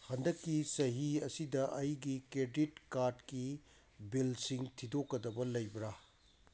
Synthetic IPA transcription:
hɐndɐkːisɐɦiɐsidɐʔɐjɡikɾeditkaɾdki | bilsiŋtʰidokːɐdɐbɐlɐjbɾa

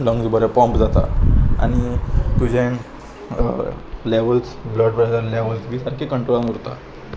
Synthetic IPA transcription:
lɔ̃ŋɡd͡zbəɾapɔ̃mpd͡zat̪a̰a̰ɽ̃it̪ud͡ʑʱẽ | leʋəlsbləɖpɾɛsənleʋəlsʋiːsaɾkʰekəɳʈɾolamuɾt̪a̰

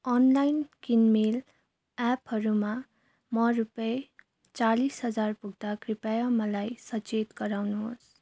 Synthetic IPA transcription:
ʌnlajnkinmel | apɦʌɾuma | mʌrupʌe | t͡salisɦʌd͡zarpuɡ̚ʱd̪akripajamʌlajsʌt͡ʃet̪ɡʌɾawnuɦos

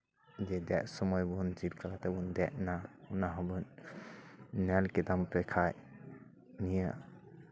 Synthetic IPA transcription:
d͡ʒɛdɛʔsɔmɔjbund͡ʒib̚kakatabundɛʔ̚naunaɦabɯn | nɛlkidampɛkʰaj | nija

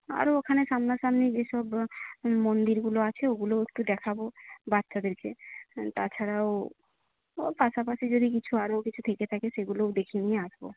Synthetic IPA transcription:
a̰ɾookʰaneʃamnaʃamned͡ʑeʃɔb | mond̪iɾɡuloat͡ɕʰeoɡuloek̚ʈud̪ɛkʰabobat̪ːʃad̪eɾket̪at͡ɕʰaɾao | paʃapaʃid͡ʒod̪ʱik̬it͡ɕʰuaɾokit͡ɕʰut̪ʰeket̪ʰakeʃeɡulod̪ekʰinieaʃbo̰

